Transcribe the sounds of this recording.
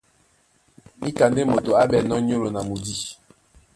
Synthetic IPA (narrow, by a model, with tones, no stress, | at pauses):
mi˦ka˨nde˦mo˨to˨a˦bɛ˦˨nɔ˦ɲo˦lo˨na˨mu˨di˦˨